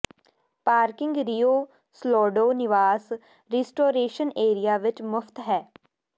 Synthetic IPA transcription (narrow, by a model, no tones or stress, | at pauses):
paːɾkɪ̃ŋɡɾijoː | slɔːɖoːnɪʋaːs | ɾiːsʈoːɾeːʃəneːɾijaːʋɪt͡ʃmʊfʰt̪ɦɛː